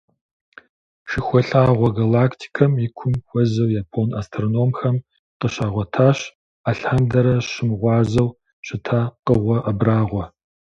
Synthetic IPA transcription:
ʃɪxʷɔɬaːʁʷɔɡalaːkʰtʰi̥kʰɐmjɪkʷʰʊmxʷɔzɐwjaːpʰonastʰronoːmxɐm | qəɕaːʁʷɔtʰaːɕ | aɬandɐɾɐɕɪmʁʷɑːzɐw | ɕʼɨtʰaːqəʁʷɔʔɐbraːʁʷɔ

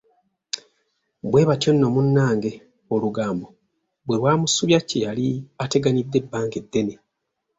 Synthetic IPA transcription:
bwe̞ːβatjo̞nːo̞munːaːŋɡe̞ | oluɡaːmbo̞ | bwe̞βwaːmusuβjacejaliate̞ɡanid̪ːe̞bːaːŋɡe̞dːe̞ne

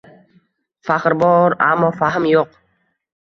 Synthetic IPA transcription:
faχɾbɔɾa̰mːɔːfaɦəmjoq

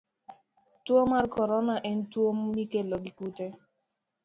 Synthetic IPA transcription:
twomarkɔɾɔnaʔɛn̩twommikelɔɡikute

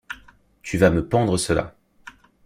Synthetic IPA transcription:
t̪ʰyvaməpɑ̃d̪ʁəsəla̰

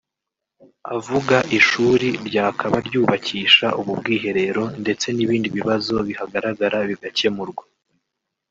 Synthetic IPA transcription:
avuɡaʔiʃuːɾiɾɟaːkʰaβaɾɟuːβaciːʃaʔuβub̚ɡiːɦe̞ɾe̞ɾo̞nde̞t͡se̞niβiːndiβiβazo̞βihaɡaɾaɡaɾaβiɡace̞muɾɡwo

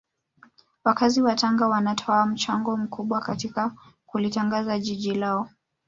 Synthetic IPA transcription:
wakaziwataŋɡawanatʰɔam̩t͡ʃaŋɡɔm̩kuɓwakatika | kulitaŋɡazaʄiʄilaɔ

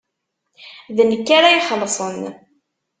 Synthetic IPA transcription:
ðnəkːaɾajiχəlːsˤən

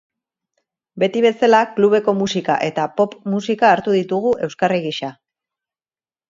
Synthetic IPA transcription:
be̞t̪iβe̞salakluβ̞e̞ko̞musika̰ʔe̞t̪apo̞pmusikaːɾt̪uðit̪uɣ̞uʔe̞wskareɣiʃa

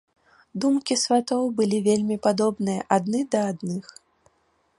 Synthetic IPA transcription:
d̪umkʲisvʲat̪ɔwbɨlʲivʲelʲmʲipad̪ɔbnɨjɐʔad̪nɨd̪ɐːd̪nɨx

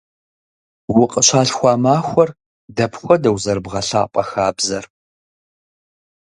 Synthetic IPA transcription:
wʊqʼəɕʷʰaːɬxʷɑːmaːxʷɔr | dɐpʰxʷɔdɐwzɐɾɨbʁɐɬaːpʼɐxaːbzɐr

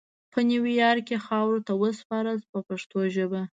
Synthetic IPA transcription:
pəniwijɑɾkexɑwɾot̪awəspɑɾəspəpaʂt̪oʒəba

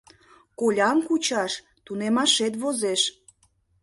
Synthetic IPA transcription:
kolʲɑmkut͡ɕɑʃ | t̪unemɑʃet̪̬βozeʃ

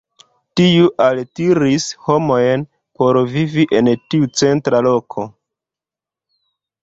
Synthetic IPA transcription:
tiuʔaltiɾisho̞mo̞jn | po̞ɾviviʔe̞ntiut͡se̞ntɾalo̞kʰo̞

